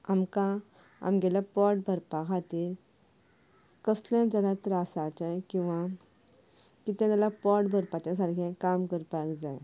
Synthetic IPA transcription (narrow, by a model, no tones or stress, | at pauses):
amkã | a̰mɡɛlapɔʈ̚bʱəɾpakʰat̪iɾ | kəsljãd͡zəɽat̪ɾasat͡ɕajkĩw̃ʋa | kit̪ɛ̃t̪alapɔʈbʱəɾpat͡ɕas̬aɾkʰɛ̃kamkəɾpakd͡za̰j